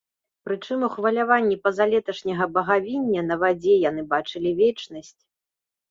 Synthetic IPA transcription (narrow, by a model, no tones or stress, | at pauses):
pɾɨt͡ʂɨmuxvɐlʲavanʲːipɐzalʲɛt̪ɐʂnʲɐɣɐbɐɣavʲinʲːɐnɐvad͡zʲɛjan̪ɨbat͡ʂɨlʲivʲɛt͡ʂnɐsʲt͡sʲ